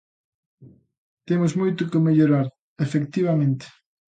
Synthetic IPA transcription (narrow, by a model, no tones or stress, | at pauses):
t̪emʊzmojt̪ʊkɪmeʎoɾaɾ | efekt̪iβ̞amẽnt̪ɪ̥